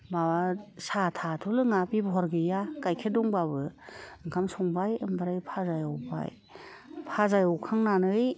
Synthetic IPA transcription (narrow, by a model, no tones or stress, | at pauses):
bawasatʰatʰulɯŋabibɔɦɔɾɡɯjakajkʰedɔŋbabɯɯŋkʰamsɔŋbajɯmbaɾajpʰazajɔwba̰j | pʰazajɔwkʰaŋnanɯj